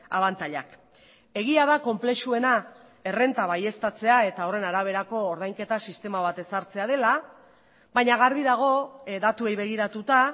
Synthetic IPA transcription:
a̰βant̪aʎa̰k | e̞ɣiaðako̞mple̞ʃue̞na | ere̞nt̪aβaje̞st̪at͡se̞ae̞t̪ao̞re̞naɾaβ̞e̞ɾako̞ːɾðajŋke̞t̪asist̪e̞maβat̪e̞saɾt͡se̞að̞e̞la | bajɲaɣaɾβiðaɣ̞o̞d̪at̪uejβe̞ɣ̞iɾat̪ut̪a

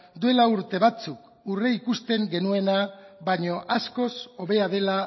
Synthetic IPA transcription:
d̪ue̞lauɾt̪e̞βat͡suk | ureikust̪e̞ŋɡe̞nue̞naβaɲo̞ʔasko̞so̞βe̞aðe̞la

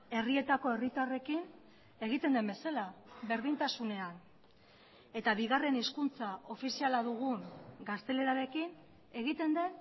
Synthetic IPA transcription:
e̞rie̞t̪ako̞e̞rit̪are̞kin | e̞ɣ̞it̪e̞nd̪e̞mbe̞salabe̞ɾð̞int̪asune̞an | e̞t̪aβiɣare̞niskunt͡saʔo̞fisialaðuɣuŋɡast̪e̞le̞ɾaɾe̞kin | e̞ɣit̪e̞nd̪e̞n

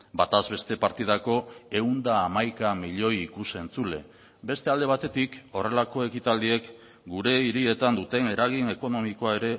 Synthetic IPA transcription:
bat̪azβe̞st̪e̞paɾt̪ið̞ako̞e̞und̪aːmajkamiʎo̞jikuse̞nt͡sule̞ | be̞st̪e̞ald̪e̞β̞at̪e̞t̪iko̞re̞lako̞e̞kit̪ald̪ie̞k | ɡuɾe̞iɾie̞t̪and̪ut̪e̞ne̞ɾaɣ̞ine̞ko̞no̞miko̞ae̞ɾe̞

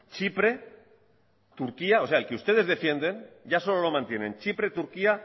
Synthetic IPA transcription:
t͡ʃipɾe̞ | t̪uɾkiao̞se̞aelkeust̪e̞ð̞e̞zðe̞fje̞nd̪e̞nʝaso̞lo̞lo̞mãnt̪je̞nẽ̞nt͡ʃipɾe̞t̪uɾkia

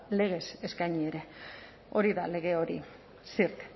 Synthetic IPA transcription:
le̞ɣ̞e̞se̞skajɲieɾe̞ | o̞ɾiðale̞ɣ̞e̞o̞ɾḭ | siɾt̪

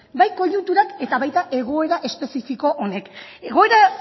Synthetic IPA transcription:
bajko̞ʎunt̪uɾake̞t̪aβajt̪aʔe̞ɣ̞o̞e̞ɾaʔe̞spe̞sifiko̞ʔone̞ke̞ɣ̞o̞e̞ɾa

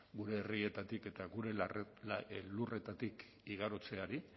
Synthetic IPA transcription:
ɡuɾe̞ːrie̞t̪at̪ike̞t̪aɣuɾe̞ | lure̞t̪at̪ik | iɣaɾot͡se̞aɾi

